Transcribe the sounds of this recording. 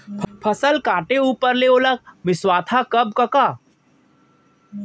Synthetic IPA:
pʰpʰɐsəlkaːʈeuːpəɾleːolək̚mɪswaːt̪ʰakɐb̚kɐkaː

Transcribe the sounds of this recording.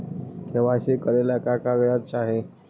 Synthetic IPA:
kʰeʋaɕikəɾelakakaɡjat̚t͡ɕaɦe

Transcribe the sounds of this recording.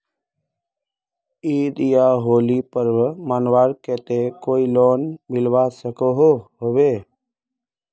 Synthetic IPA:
iːd̪ijaːɦoːlipəɾwmaːnwaːɾkɛːt̪ekoːiloːnmɪlwaːsəkoɦoɦoweː

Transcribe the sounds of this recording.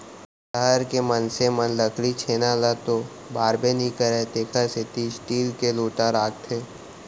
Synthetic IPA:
ʃəɦəɾkemənsemənləkʰɽit͡ʃʰeːnalat̪o | baːɾbenĩkəɾɛt̪eːkʰəset̪isʈiːlkeloːʈaɾaːk̚t̪ʰeː

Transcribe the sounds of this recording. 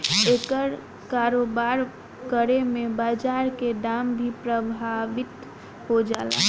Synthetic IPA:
ekəɾ | kaɾobaɾ | kəɾemẽbaːd͡ʒaɾkeɖambʱipɾəbʱaʋɪt̪ | ɦod͡ʒaːla̰

